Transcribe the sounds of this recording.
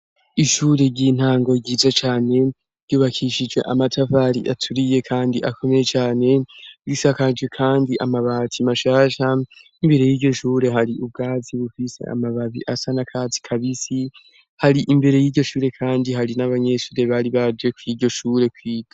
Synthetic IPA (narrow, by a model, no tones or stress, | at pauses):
iʃuːɾe̞ɟiːn̥haːŋɡo̞ɟiːzat͡ʃaːne̞ | ɾɟ̥uːβakʰiʃid͡ʒɡe̞̰ʔamatʰavaɾḭʔatʰuɾije̞kʰaːndiʔakʰo̞me̞jet͡ʃaːne̞ɾisakad͡ʒɡe̞kʰaːndiʔamaβatʰimaʃaːʃaimbe̞ɾe̞jiːɟo̞ʃuːɾe̞ɦaɾiʔub̚ɡaːziβufise̞̰a̰maβaβḭʔasanakʰat͡si̥kʰaβisi | haɾiʔimbe̞ɾe̞jiːɟo̞ʃuːɾe̞kʰaːndiɦaɾinaβaɲe̞ʃuːɾe̞βaɾiβad͡ʒe̞kwiːɟo̞ʃuːɾe̞kwiːɡ̥ḁ